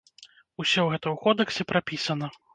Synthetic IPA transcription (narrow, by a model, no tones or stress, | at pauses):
usʲɔwɣɛt̪ɐwkɔd̪ɛksʲɛpɾapʲisɐnɐ